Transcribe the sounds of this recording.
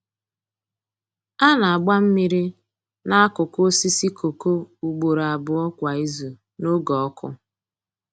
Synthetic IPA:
a˦na˨a˨ɡ͡ba˦m̩˦mi˦ɾi˦ | na˦a˦kʊ˨ko˦si˦si˦ko˨ko˦u˨ɡ͡bo˨ɾa˨bʊ˨ɔ˦kʷa˨i˦zu˨ | no˦ɡɔ˨ɔ˦kʰʊ˦

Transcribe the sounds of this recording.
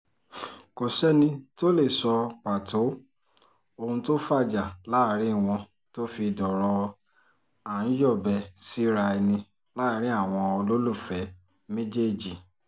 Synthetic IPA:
ko˨sɛ˦nĩ˧to˦le˦˨sɔ˧k͡pa˨tʰo˨˦ | o˧hũ˧to˦fa˦˨d͡ʒa˨la˦˨˦ɾĩ˦˨w̃ɔ̃˧ | to˦fi˧dɔ˨ɾɔ˧ | a˨ñ̩˦jɔ˦˨bɛ˧si˦ɾa˧ɛ˧nĩ˧ | la˦ɾĩ˦a˦˨w̃ɔ̃˧o˧lo˦lu˦˨fɛ˨˦ | mĩ˦d͡ʒe˦e˦˨d͡ʒi˨

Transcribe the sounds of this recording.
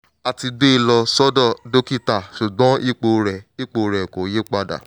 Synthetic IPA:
a˨ti˧ɡ͡be˦˨lɔ˧sɔ˦dɔ˦˨do˦ki˦˨ta˨ʃu˨ɡ͡bɔ̃˦i˦˨k͡po˧ɾɛ˨i˦k͡po˧ɾɛ˨ko˨˦je˦k͡pa˧da̰˨

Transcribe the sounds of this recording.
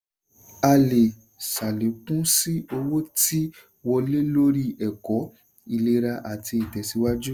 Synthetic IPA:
a˧le˨ | sa˨le˨˦kũ˦si˦o˧wo˦ti˦ | wɔ˧le˦lo˦ɾi˦ʔɛ˨kɔ˨˦ | i˧le˧ɾa˧ʔa˨ti˧i˨tɛ˨si˨˦wa˦d͡ʒu˦

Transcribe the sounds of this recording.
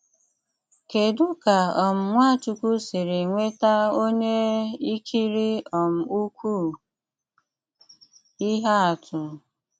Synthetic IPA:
ke˨du˦ka˨ɔ˨m̩˨ŋʷa˦˨t͡ʃu˨ku˦si˨ɾe˨ŋʷe˦ta˦o˦ɲe˦i˦kʰi˦ɾi˦ɔ˨m̩˨u˦kʷu˦˨ | i˦ɦa˦a˨tʰʊ˨

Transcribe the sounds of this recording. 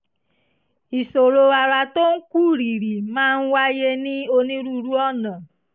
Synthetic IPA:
i˨so˨ɾo˧a˧ɾa˧to˦n̩˦ku˦˨ɾi˨ɾi˨mãː˦n̩˦wa˦je˦nĩ˦o˧nĩ˦ɾu˦ɾu˦ɔ˦˨nã˨

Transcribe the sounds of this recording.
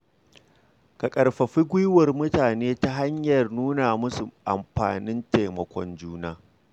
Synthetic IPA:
kɐ˨kʼɐ˨rɸɐ˨ɸi˦ɡʷʊ˦jwɐ˨rmʊ˦taː˨neː˦ta˦ɦa˦ɲjɐ˨rnuː˦na˨mʊ˦su˨ʔa̰˨mɸa̰ː˨nɪ˦nteː˨mɐ˨kʷɔ˦nd͡ʒuː˦naː˦

